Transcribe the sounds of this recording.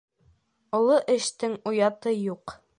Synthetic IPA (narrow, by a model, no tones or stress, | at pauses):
ŏlˠoʔɘ̆ʃt̪ɘŋujɑt̪ɤjuq